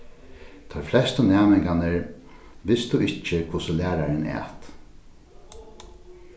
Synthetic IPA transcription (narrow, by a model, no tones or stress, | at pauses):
t̪ʰɔjflɛst̪ʊnæːmɪŋkanɪɹ | ʋɪst̪uɪht͡ʃːɪkʰvʊsʊlæːɾaɾɪnɛ̰ːt̪